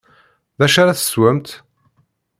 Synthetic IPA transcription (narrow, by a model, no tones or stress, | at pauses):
ðæʃaɾaθə̥swæmt̪